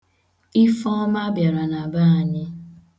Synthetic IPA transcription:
i˦fɔ˦ma˦bja˨ɾa˨na˨ba˦a˨ɲɪ˦

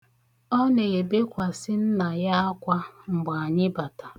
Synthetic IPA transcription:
ɔ˦ne˨ɣe˨be˦kʷa˨sɪ˦n̩˦na˨ja˦a˦kʷa˦ŋ͡m̩˨ɡ͡ba˨a˨ɲɪ˦ba˨ta˨

